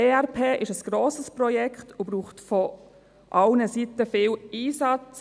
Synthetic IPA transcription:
eːɛɾpʰeːʔɪʃəsɡ̥ɾoːsəsprɔjɛkχtub̥ɾuːχtfɔ | ʔɑlnəsitəfɪːliːsɑt͡s

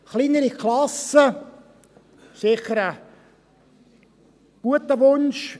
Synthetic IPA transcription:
χliːnəɾikʰlɑsə | sɪχəɾə | ɡ̥uətəʋʊnʃ

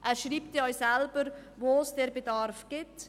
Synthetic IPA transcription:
ʔɛːɾʃɾiːp̚t̪ɛɔʏsɛlbəɾvoːsd̥ɛɾbedɑɾfɡ̥ɪt

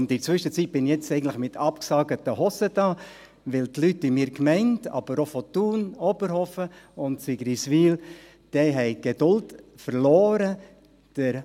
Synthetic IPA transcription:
ʊntɪt͡sʋʏʃət͡sit̚b̥ɪnjɛt͡sɛɪɡən̩tləχmɪt̪ʰɑpksɑːɡətəhɔsədɑː | ʋɪltlytːimɪːɾkmɛɪntɑ̰b̥əɾofɔtuːnɔbəɾhɔfəʊntsiɡ̥ɾisʋiːl | d̥ɛɦɛɪɡ̥ed̥ʊltfəɾlɔːɾə | d̥əɾ

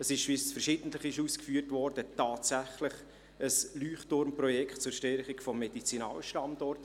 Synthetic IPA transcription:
əsɪʃʋisfərʃɪdn̩t̪ləχɪʃuːskfyːərtvɔɾd̥ətɑːtsæχlɪχ | əslyːχtʊɾmprɔjɛkχtt͡sʊɾʃtɛɾχikfɔmːɛdit͡sinɑ̰ːlʃtɑmdɔrt

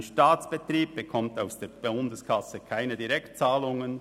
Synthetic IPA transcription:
nʃtaːtt͡sb̥ət̪riːb̚b̥əkʰɔmtaʊsd̥eːɾb̥ʊndəskʰɑsəkʰaɪnədiɾɛkt̚t͡saːlʊŋən

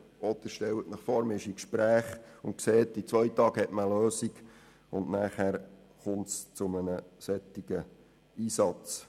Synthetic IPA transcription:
ɔd̥̪əʃtɛwətnɪχfɔːɾmɪʃikʃpɾæːχʊntkseːtit͡sʋœʏtɑːɡhɛtməløːsiɡ̥ | ʊndnæːχhæɾ | χʊmtst͡sʊmənəsɛtːiɡə | iːsɑt͡s

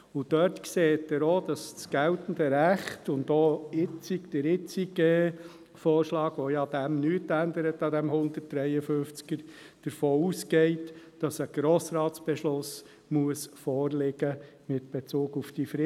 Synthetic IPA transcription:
ʊd̥œɾtkseːtəɾod̥ɑssɡ̥æltn̩dəɾæχtʊndoɪt͡sikd̥əɾɪt͡siɡeː | fɔːɾʃlɑːɡʋojɑd̥æmnytændəɾətɑd̪æmhʊnd̪ət̚d̥ɾɛjəfʏft͡skəɾ | d̥əɾfoːuːsɡɛɪtd̥ɑsəɡ̥ɾoːsɾɑːtsb̥ɛʃlʊs | muəsfɔːrlɪɡ̥ə | mɪtb̥et͡suːɡufd̥ifɾɪ

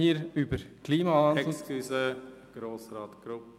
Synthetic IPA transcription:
iːɾybəɾkʰliːmɑɑːn̩ysə | ɡ̥ɾoːsɾɑːt̪ɡ̥ɾʊp

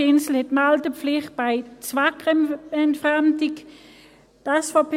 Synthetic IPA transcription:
ɪnsl̩hɛtmaltəpflɪχt̚b̥aɪt͡svakʁɛntfʁamdɪk | d̥asfɐpʰ

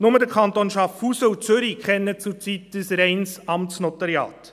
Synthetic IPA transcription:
nʊmədəɾkʰχɑnt̪onʃɑfuːsəut͡sʏɾikʰχɛnːət͡sʊɾt͡sitd̥əsɾɛɪnsɑmtsnɔt̪ɑɾjɑ̰ːt

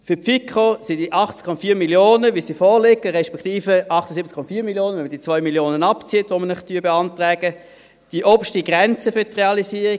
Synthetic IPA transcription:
fʏpfikʰosid̥iʔɑχtkʰɔmɑfiːmiljoːnəʋisifɔːlɪɡəʁɛʃpɛkʰtiːfəʔɑχtəsɪp̚ətt͡skʰɔmɑfiːmiljoːnəvɛnməd̥it͡svɔʏmiljoːnənɑpt͡siətʋomənɪχtyəbeɑntʁɛːɡ̥ə | d̥iəʔɔb̥ʃtiɡʁɛnt͡səfʏtːʁeɑlisiːəʁi

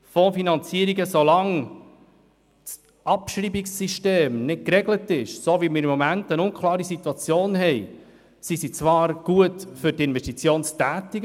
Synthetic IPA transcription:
fɔfinɑnt͡siəɾiɡəsolɑŋ | s | ʔɑpʃɾiːbiksːiʃteːmnɪt̚kɾɛɡlətɪʃsoʋimɪɾimːɔmæntənʊnkʰlˠɑːɾisit̪wɑt͡sjoːnɦɛj | sisit͡sʋɑːɾɡ̥uətfʏtɪnʋɛʃtit͡sjoːnstæːtiɡ

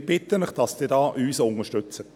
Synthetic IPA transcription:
b̥ɪtənəχd̥ɑsd̥ɪːdɑːʔyːsʊŋəʃtøt͡sət

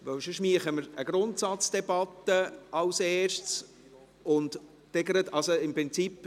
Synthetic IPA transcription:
ʋœwʃoʃmiəχəməɾəɡɾʊnt̪sɑt͡sd̥ɛbɑt̪ːəɑwseːʃt͡s | ʊnt̪ | tɛɡəɾət̪ɑlsoɪmpɾɪnt͡sipː

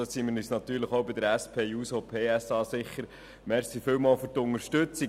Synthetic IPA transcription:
ɑsimɪɾnyːsnɑt̪yːɾləχowbɪd̪əɾæspʰeːuːsoːpʰeːæsɑːsɪχːəɾ | mɛɾsifɪwmɑːførtʊŋəɾʃtɵt͡si

